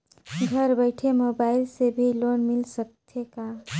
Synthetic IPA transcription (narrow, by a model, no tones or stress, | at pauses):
ɡʱɐɾbəɪʈʰemoːbaːɪlsebʱiloːnmɪlsəkt̪ʰeka